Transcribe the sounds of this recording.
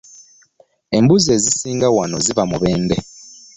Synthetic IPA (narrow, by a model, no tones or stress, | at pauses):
embuzezisiːŋɡawanozivamuβeːnde